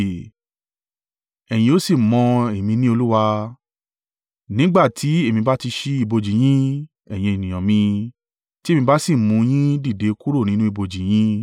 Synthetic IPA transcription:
ɛ˨j̃ĩ˧o˨˦si˦˨mɔ̃˧e˨mĩ˧nĩ˦o˧lu˦wa˧ | nĩ˦ɡ͡ba˦˨tʰi˨˦e˦˨mĩ˧ba˦ti˧ʃi˧i˧bo˧d͡ʒi˨j̃ĩ˦ | ɛ˨j̃ĩ˧e˨nĩ˨j̃ɔ̃˨mĩ˧ | ti˦mĩ˧ba˦si˦˨mũ˨˧˦j̃ĩ˦di˦˨de˨˦ku˦ɾo˦˨nĩ˦nũ˦i˧bo˧d͡ʒi˨j̃ĩ˦

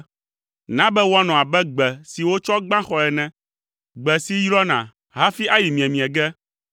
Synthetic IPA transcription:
nã˦bɛ˦wɔ˦a˦nɔ̃˨a˨bɛ˦ɡ͡bɛ˨si˨wo˦t͡ʃɔ˦ɡ͡bã˦xɔ˨ɛ˨nɛ̃˦ | ɡ͡bɛ˨si˦jɾɔ˦nã̰˨ | ɦa˦fi˦ʔa˦ji˨mĩ˨ɛ˨mĩ˨ɛ˨ɡɛ˦

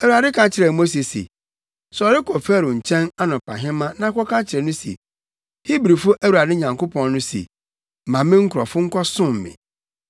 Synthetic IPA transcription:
æ˨wu˨a˨dɪ˦kʰã˦t͡ɕʰɪ˨ɾɛ˨˦mo˦s̬e˨sḛ˨ | sɔ˨ɾɪ˦kʰɔ˨fɛ˦˨ɾʊ̃˨ɲ̩˨t͡ɕʰɛ̃˦na˦nʊ̃˨pʰa̰˨ɦɪ̃˦mã˦nã˨˦kʰɔ˦kã˦t͡ɕʰɪ˨ɾɛ˨nʊ̃˦sḛ˨ | hi˦bɾi˨fʊ˦ʔæ˦wu˨ɾa˨dɪ˦ɲã˨ŋko˦pʰɔ̃˨nnʊ̃˦sḛ˨ | mã˨mɪ̃˦ŋ̩˦kʰʊ˨ɾɔ˨fʊ˦ŋ̩˦kʷʰɔ˦sʊ̃˦m̩˨mɪ̰̃˨

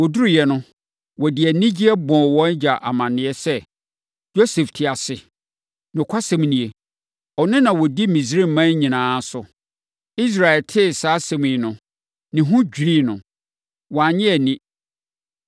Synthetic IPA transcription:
wɔ˨du˦ɾi˨jɛ˨nʊ̃˦ | wɔ˨dɪ˨æ˨nĩ˦d͡ʑi˦ɛ˦bɔ̃˨wɔ̃˦n˦d͡ʑa˨ʔa˨mã˨nɪ̃˨ɛ˦sɛ˦ | jo˦sɛ˨ftʰɪ˨a˨sɪ˨ | nʊ̃˨kʰʷa˦sɛ̃˦˨m˦nĩ˨e˨ | ɔ˨nɪ̃˦nã˨wɔ˨di˦mĩ˨s̬ɾi˦˨mã˦ɲĩ˨nãː˨˦sʊ˨ | i˦s̬ɾa˨ɛ˨ltʰɪ˦˨saː˨˦sɛ̃˨mĩ˨nʊ̃˨ | nɪ̃˨ɦʊ̃˦d͡ʑᶣɾi˦˨nʊ̃˨ | wɔ˨a˨ɲɪ̃˦æ˨nĩ˦

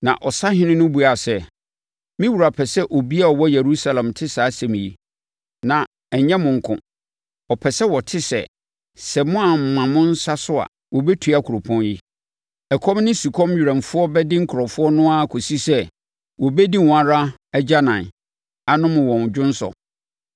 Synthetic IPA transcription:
nã̰˨ʔɔ˨sa˦hɪ̃˦nɪ̃˦nʊ̃˦bu˨a˨sɛ˨ | mɪ̃˦wu˨ɾa˨pʰɛ˨sɛ˦ʔɔ˨bi˦a˦ɔ˨wɔ˦je˨ɾu˦sa˦lã˨mtʰɪ˦sa˨˦sɛ̃˨m̃˨ji˦ | nã˨ | ɛ˨˦ɲɛ̃˦mʊ̃˨ŋ̩˨kʰʊ̰̃˨ | ɔ˨pʰɛ˨sɛ˦wɔ˨tʰɪ˦sɛ̰˨ | sɛ˨mʊ̃˦a˨m̩˨mã˨mʊ̃˦n̩˦sa˦sʊ˦a̰˨ | wɔ˨bɛ˦tʰu˨˦a˦kʰu˨ɾo˨pʰɔ̃˦nji˦ | ɛ˨kʰɔ˦mnɪ̃˦su˨kʰɔ̃˦mɥi˨ɾɛ̃˨nfʊ˦ɔ˦bɛ˦dɪ˦ŋ̩˦kʰʊ˨ɾɔ˨fʊ˦ɔ˦nʊ̃˦a˦˨kʰo˨si˦sɛ˦ | wɔ˨bɛ˦di˦wã˨ɾa˦ | ɛ˦d͡ʑa˦nã˨n˨ | a˨nʊ̃˦mʊ̃˨wɔ̃˨n˨d͡ʑᶣʊ̃˦n̩˦sɔ̰˨

